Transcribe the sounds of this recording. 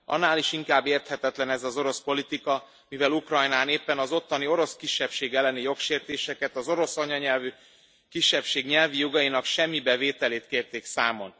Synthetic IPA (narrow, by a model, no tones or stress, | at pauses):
ɒ̰nːaːliʃiŋkaːbːeːrt̪hɛt̪ɛt̪lɛnɛzɒzo̞ɾo̞spo̞lit̪ikɒ | mivɛlukrɒjnaːneːpːɛnɒzo̞t̪ːɒnio̞ɾo̞skiʃːɛpʃeːɡɛlːɛnijo̞kʃeːrt̪eːʃɛkɛt̪ɒzo̞ɾo̞sɒɲɒɲɛlvy | kiʃːɛpʃeːɡɲɛlvijo̞ɡɒjinɒkʃɛmːibɛveːt̪ɛleːt̪̚keːrt̪eːksaːmo̞n